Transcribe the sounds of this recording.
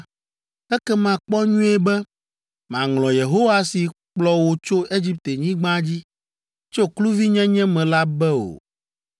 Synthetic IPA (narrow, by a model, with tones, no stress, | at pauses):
ɛ˦kɛ˦mã˨k͡pɔ˦ɲũ˦ɛ˦bɛ˦ | m˨ã˨ŋlɔ̃˨je˨ɦo˦wa˦si˨k͡plɔ˦wo˨t͡ʃo˦ʔe˦d͡ʑi˦p̚t̪e˨ɲĩ˦ɡ͡bã˦d͡ʑi˦ | t͡ʃo˦klu˦vi˦ɲɛ̃˦ɲɛ̃˦mɛ̃˨la˦bɛ˦o̰˨